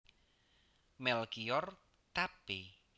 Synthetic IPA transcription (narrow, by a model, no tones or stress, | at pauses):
mɛlkiɔr | t̪api